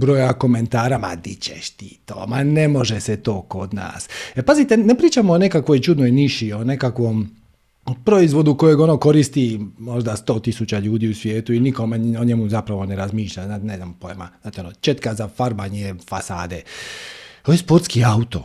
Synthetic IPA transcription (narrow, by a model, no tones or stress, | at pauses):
bɾo̞jako̞ment̪aːɾama̰d̪it͡ɕḛʃt̪it̪o̰ːmanemo̞ʒeset̪o̞ːko̞d̪na̰ːsepazit̪enepɾiːt͡ʃamoːnekakʋojt͡ʃud̪nojniʃio̞ne̞kakʋo̞m | pɾo̞izʋo̞d̪uko̞jeɡo̞noko̞ɾist̪imo̞ʒd̪ast̪o̞ːt̪isut͡ɕaʎuːd̪iːusʋʲje̞ːt̪uinikomeoɲemuzapɾaʋo̞ne̞ɾazmiːʃʎanat̪nezampojema̰aːt̪eonot͡ʃet̪kazafaɾbaɲefasa̰ːd̪e | ojespo̞ɾt̪skiaut̪o̞̰